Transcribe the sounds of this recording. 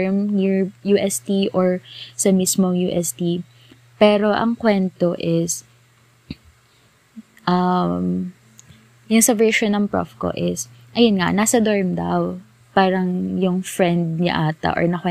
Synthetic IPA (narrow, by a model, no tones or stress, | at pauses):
ɹmniɹjuːʔɛst̪iʔɔɹsɐmismoŋjuːʔɛst̪i | pɛːɾo̞ʔɐ̰ŋkwɛnt̪oʔɪs | ʔɐm | jʊŋsɐvɛɹʃonːɐŋpɹo̰fko̰ʔɪsʔɐjonŋa̰naːsɐd̪oɹmd̪ɐ̰w | paːɾɐŋjʊŋfɹɛnd̪̚ɲɐ̰ʔaːt̪ɐ̰ʔɔ̰ɹnɐkwɛ